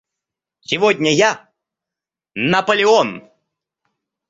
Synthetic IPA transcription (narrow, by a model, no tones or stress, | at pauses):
sʲɪvodʲnʲəja | nɐpəlʲɪon